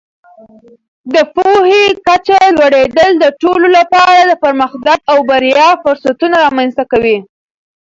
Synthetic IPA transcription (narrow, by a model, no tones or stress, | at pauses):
d̪əpohekat͡ʃalwaɽed̪əld̪əʈololapɑɾad̪əpəɾməxd̪aɡawbaɾjɑfʊɾsat̪unaɾɑmanst̪akawi